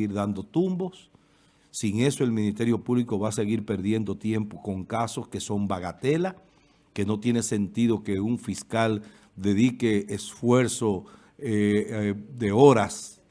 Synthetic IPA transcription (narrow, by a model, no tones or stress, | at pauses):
iɾðand̪o̞t̪umbo̞sː | iŋe̞so̞e̞lmĩnist̪e̞ɾjo̞puβliko̞βase̞ɣiɾpe̞ɾðje̞nd̪o̞t̪je̞mpo̞ko̞ŋkaso̞ske̞so̞mbaɣat̪e̞la | ke̞no̞t̪je̞ne̞se̞nt̪iðo̞ke̞uɱfiskal | d̪e̞ðike̞ːsfwe̞ɾso̞ | e | d̪e̞o̞ɾas